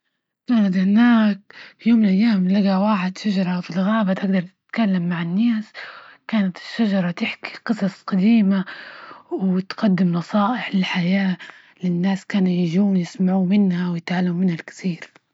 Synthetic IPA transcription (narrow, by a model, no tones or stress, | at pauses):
kaːnat̪̬hɪnaːk̚fjoːmːɪlʔajːaːmlaɡawaːħɪd̪ʃaʒɑɾˤɑfilɣaːbat̪ʔaɡ̚d̪ɑɾˤt̪ɪ̥t̪kalːamːaʕɪnːaːskaːnat̪ɪ̥ʃːaʒɑɾˤɑt̪ɪħki̥qɨsˤɑsˤqɑd̪iːma | wɪt̪qɑd̪ːɪmnɑsˤɑːʔɪħlɪlħajaː | lɪnːaːskaːnujɪʒuːnjɪsmaʕuːmɪnhawjɪt̪ʕalːammɪnhalkɪ̥θiːɾ